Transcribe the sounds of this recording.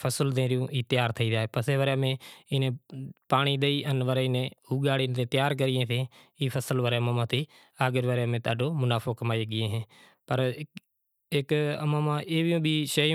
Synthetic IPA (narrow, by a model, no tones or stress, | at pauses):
pʰəsəld̪ẽːɾɪjũːʔiːt̪ɪjaːɾt̪ʰəiːd͡ʒaːɦeːpəseːʋəɾjaːmẽːɪnẽːpaːɳ̃iːɗ̪eiːʔənʋəɾeːɪnẽːhuːɠaːɽiːnt̪eːt̪jaːɾk̬əɾɪjẽːt̪ʰẽːiːpʰəsəlʋəɾemãːmãːt̪ʰiː | aːɡəɾʋəɾjaːmẽːt̪aːɖoːmʊnaːfʰoːkəmaːiɡɪjẽːɦẽː | pəɾ | ɪkəmãːmãːʔeːʋɪjõːbʱiːʃə̃